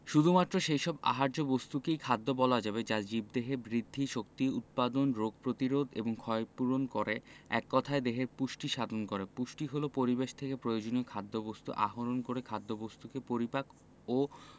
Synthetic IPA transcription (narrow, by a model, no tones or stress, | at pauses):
ʃud̪ʱumat̪ːɾoʃejʃɔba̰ɦaɾd͡ʑobost̪ukejkʰad̪ʱːobɔlad͡ʑabed͡ʑad͡ʑib̚d̪eɦebɾid̪ʱːiʃokt̪iut̪̚pad̪onɾoɡ̚pɾot̪iɾod̪ḛboŋkʰɔepuɾonkoɾeɛ̰kːɔt̪ʰaed̪eɦeɾpuʃʈiʃad̪ʱonkoɾepuʃʈiɦolopoɾibeʃt̪ʰekepɾojod͡ʑoniokʰad̪ʱːobost̪ṵʔa̰ɦoɾonkoɾekʰad̪ʱːobost̪ukepoɾipak | o